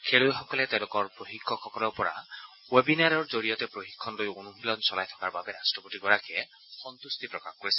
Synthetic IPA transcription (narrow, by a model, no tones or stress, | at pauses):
kʰeɹojxɔkɔlɛteʊ̃lʊkɔɹpɹoxikʰːɔxɔkɔlɔɹpɔɹa̰ | webinaɹɔɹzoɹijɔt̪ɛpɹoxikʰːɔnlojonumilɔnsɔlajt̪ʰɔ̥kaɹbabɛɾastɹɔpotiɡɔɹakɛ | xɔnt̪ust̪ipɹɔkaxkoɹisɛ